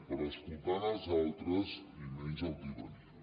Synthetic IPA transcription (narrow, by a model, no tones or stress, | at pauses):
pəɾəskulˠt̪analˠzalˠt̪ɾəzimeɲzəwd̪iwən